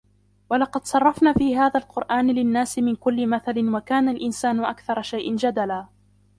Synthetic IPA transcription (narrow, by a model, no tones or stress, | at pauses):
walɑqɑd̪sˤɑrˤːɑfnaːfiːɦaːðaːlqʊɾʔaːnlɪnːaːsɪmɪnkʊlːɪmaθalɪnwakaːnalʔɪnsaːnʊʔakθɑɾˤɑʃajʔɪnd͡ʒad̪alaː